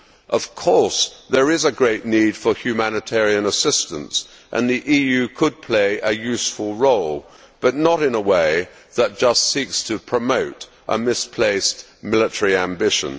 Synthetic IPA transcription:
ʔʌv̥kʰɔɹsðə˞ɪzəɡɹeɪʔⁿnid̥fə˞hjʉmænɨtʰɛɹiɨ̃nəsɪstə̃ns | ʔɨ̰̃nðiʔijʉkʰəd̚pʰl̥eɪʔɨjʉsfəlˠɹoʊlˠ | b̥ʌtⁿnəɾɨ̃nəweɪ | ðət̚d̥ʒ̥ʌstsikstʰɨpʰɹ̥əmoʊɾ | ʔə̰mɪspʰl̥eɪst | mɪlˠətʰəɹiæ̃mbɪʃɨ̰̃n

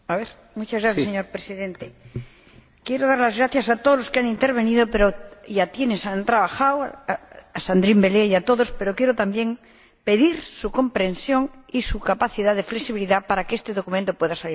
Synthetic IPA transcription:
aβeɾ | mut͡ʃazɣɾaθjaseɲo̞ɾpɾesiðe̞nt̪e | kjeɾoðaɾlazɣɾaθjasat̪oðlo̞skeanĩnt̪eɾβe̞niðopeɾoʝat̪je̞nesant̪ɾaβ̞axaw | asand̪ɾimbe̞leiat̪o̞ðo̞spe̞ɾo̞kjeɾot̪ambje̞ŋ | pe̞ðiɾsuko̞mpɾẽ̞nsjo̞ŋisukapaθiðaðe̞fleksiβiliðapaɾakeest̪eðo̞kumẽnt̪opwe̞ðasaliɾ

